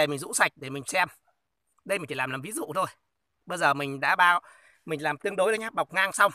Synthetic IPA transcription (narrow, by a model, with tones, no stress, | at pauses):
e˧˩mï˨˩ŋ̟zṵ˧˥sa˨˩jk̟̚ɗe˧˩mï˨˩ŋ̟sɛ˧m | ɗə˧jmi̟˨˩t͡ɕi˧˩lːlaː˨˩mvi˨˦zṵ˧˨t̪ʰo˧j | ɓəː˧jzəː˨˩mï˨˩ŋ̟ɗa̰ː˧˥ɓaː˧w | mï˨˩ŋ̟laː˨˩mt̪ɨ˧əŋɗo˨˦jɗə˨˦jɲaː˧˥ɓa˨˩wk͡p̚ŋaː˧ŋsa˧wŋ͡m